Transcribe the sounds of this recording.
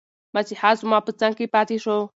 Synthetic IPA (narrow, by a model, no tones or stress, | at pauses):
mat͡siħat͡sumapɨt͡saŋkipat̪iʂo